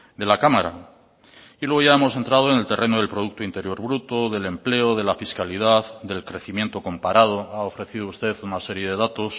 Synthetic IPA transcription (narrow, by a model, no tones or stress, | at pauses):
d̪e̞lakamaɾa̰ | ilwe̞ɣ̞oʝae̞mo̞se̞nt̪ɾað̞oene̞lt̪e̞rʔe̞noðe̞lpɾo̞ð̞uk̚t̪oint̪e̞ɾjo̞ɾβɾut̪o̞ðe̞le̞mple̞oðe̞lafiskalið̞aðd̪e̞lkɾe̞θimje̞nt̪o̞ko̞mpaɾað̞o̞ao̞fɾe̞θiðoust̪e̞ðunaseɾje̞ðe̞ðat̪o̞s